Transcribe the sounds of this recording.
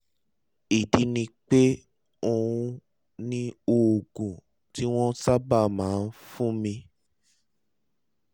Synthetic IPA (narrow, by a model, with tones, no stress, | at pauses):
i˨di˧nĩ˧k͡pe˦ | o˧ũ˧ | nĩ˦o˧o˨ɡũ˨ | ti˦w̃ɔ̃˦sa˦ba˦˨mãː˨˦˧n̩˦fũ˦mĩ˧